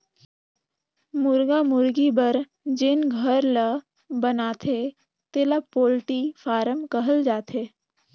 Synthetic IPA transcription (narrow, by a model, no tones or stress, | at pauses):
mʊɾɡamʊɾɡibəɾ | d͡ʒɪnɡʱəɾlə | bənaːt̪ʰe | t̪eːlapoːlʈifʰaːɾəmkəɦəld͡ʒaːt̪ʰeː